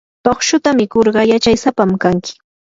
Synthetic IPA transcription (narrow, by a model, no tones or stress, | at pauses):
t̪oχʃʊt̪amɪkoɾɢɑjat͡ʃajsapamkaŋkɪ̥